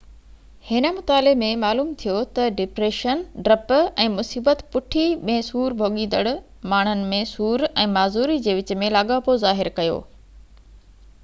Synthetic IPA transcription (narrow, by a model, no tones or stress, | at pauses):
hɪnə̆mʊt̪aːlɪmẽmaːluːmt̪ʰijot̪ɐɖɪpɾeːʃənɖɾɐpɛ̃ːmʊsiːbət̪pʊʈʰiɓẽɦsuːɾbʱoːɠĩːnd̪əɽʊ | maːɳ̤ənɪ̆mẽsuːɾɛ̃ːmaːzuːɾid͡ʑeːʋɪt͡ɕ̆mẽlaːɠaːpozaːɦɪɾkɐjo̰ː